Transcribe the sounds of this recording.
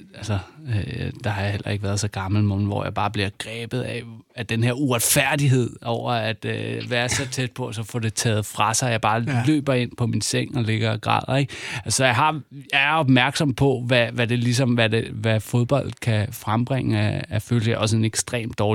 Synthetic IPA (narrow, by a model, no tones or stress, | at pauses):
ælsɐ | d̥ɑ̈hɑ̈jahel̰ɐeɡ̥ʋæːɐð̞ˠsɒ̽ɡ̥ɑ̈ml̩monʋɒ̰jɑ̈ɪb̥ɑ̈ːb̥liɐɡ̥ʁɛːb̥ð̞̩ˠɛæd̥enheɐuʁad̥fæɐ̰d̥iɦe̝ð̞̰ˠɒʊ̰ɐæd̥ʋæːɐɐsɒ̽t͡sʰed̥̚pʰɒ̽æsɒ̽fɔːd̥e̝t͡sʰɛ̰ːð̩ˠfʁɑ̈sɑ̈ɪjɑ̈ɪb̥ɑ̈ːlø̰ːb̥ɐe̝n̰pʰɒ̽minseŋ̰ɒ̽le̝ɡ̥ɐiɡ̥ʁɑ̰̈ːð̰ˠeɡ̥æsɒ̽jɑ̈ɪɦɑ̈jɑɪæɐɒ̽b̥mæɐɡ̥sɒ̽m̰pʰɒ̽ʋæʋæd̥e̝lis̬ɒ̽mʋædeʋæfo̝ð̞ˠb̥ɒ̽l̰d̥kʰæfʁamb̥ʁeŋ̰əæːføːlsəʔɒ̽s̬əe̝neɡ̥sd̥ʁḛːmd̥ɒː